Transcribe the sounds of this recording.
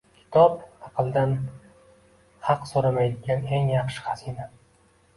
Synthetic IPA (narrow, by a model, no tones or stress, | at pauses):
kʲʰɪ̥t̪ʰɒpɑqɨlˠd̪an | hɑqsoɾamajd̪ɪɡʲane̞ŋjɑχʃɪ̥χɑz̥ina